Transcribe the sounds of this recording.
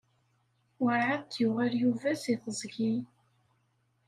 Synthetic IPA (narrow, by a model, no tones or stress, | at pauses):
wəɾʕaðt̪ːjʊʁæljuvæsiθəzˤɡi